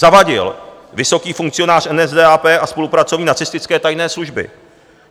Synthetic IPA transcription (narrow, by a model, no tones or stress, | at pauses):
avaɟɪ̰lvɪso̞kiːfuŋk̚t͡sɪjo̞naːr̝ʔɛnɛzdɛːaːpɛːʔaspo̞lupɾat͡so̞vɲiːnat͡sɪst̪ɪt͡skɛːt̪ajnɛːsluʒbɪ̰